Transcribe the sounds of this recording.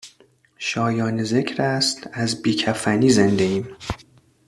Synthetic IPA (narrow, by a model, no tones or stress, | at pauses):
ʃɒːjɒːneze̞cʰɾæst̪æzbiːcʰæfæniːzend̪eiːm